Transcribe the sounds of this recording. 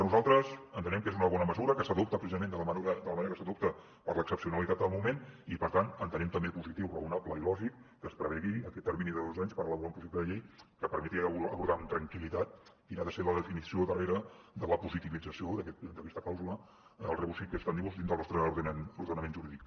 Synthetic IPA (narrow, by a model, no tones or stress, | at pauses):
ənuzalˠt̪ɾəzənt̪ənɛmkezunəβɔnəməzuɾəkəsəðop̚t̪əpɾəsizəmend̪ələmuɾəd̪ələməneɾəkəsəðop̚t̪ə | pəɾləksəpsiunəlit̪at̪d̪əlˠmumenipəɾt̪anənt̪ənɛmt̪əmbepuzit̪iwrəunapləilɔʒikːəspɾəβɛɣiəkɛt̪ːəɾminiðəðozaɲspəɾələβuɾaũmpuʃɛt̪əðəʎejkəpəɾmɛt̪iəəβuɾðant̪ɾəŋkilit̪at̪̚ | inaðəseləðəfinisioðəreɾə | d̪ələpuzit̪iβid͡zəsioðəkɛt̪d̪əkɛst̪əklawzulə | lˠrəβusikəst̪and̪iɣuzinəlˠnɔst̪ɾəuɾðənəmenʒuɾiðik